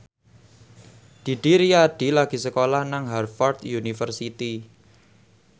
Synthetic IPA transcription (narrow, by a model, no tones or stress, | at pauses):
d̪̥i̤ɖ̥i̤ɾiaɖ̥i̤laɡ̥i̤səkolahnaŋɦarfɔrt̪junifərsit̪i